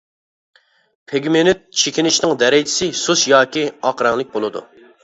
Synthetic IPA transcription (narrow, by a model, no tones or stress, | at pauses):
pʰeɡʲmenyt̪̚t͡ʃʰekʲinɪʃnɪŋd̪ɛɾɪd͡ʒɪ̥sɪsusjɑːkʲiɑqɾɑŋlˠɪk̚ʲbolˠɨd̪ṵ